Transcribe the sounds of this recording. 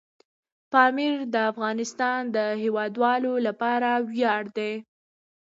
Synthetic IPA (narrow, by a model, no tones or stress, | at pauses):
pɑmɪɾd̪əafɣɑnɪst̪ɑnd̪əɦewɑd̪wɑlolapɑɾawjɑɽd̪e